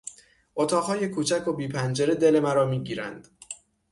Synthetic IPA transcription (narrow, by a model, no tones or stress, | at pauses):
ʔot̪ʰɒːɣhɒːje̞kʰuːt͡ʃʰækʰo̞biːpʰænd͡ʒe̞ɾe̞d̪e̞le̞mæɾɒːmiːɟiːɾæ̰nd̪̥